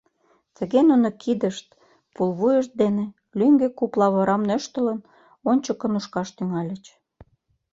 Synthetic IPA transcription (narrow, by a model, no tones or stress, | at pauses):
t̪ə̆ɣenunokʰid̪ə̆ʃt̪̚ | pulβujə̆ʃt̪̚d̪enĕ | lyŋɡekuplɑβɤ̆ɾɑmnøʃt̪ə̆lə̆n | onʲt͡ɕə̆kə̆nuʃkɑʃt̪yŋɑlʲə̆t͡ɕ